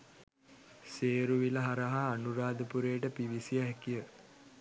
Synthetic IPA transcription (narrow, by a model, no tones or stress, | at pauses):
seːɾuʋiləɦaɾaɦaːnuɾaːd̪əpuɾejːʈəpiʋisiəɦɛkijə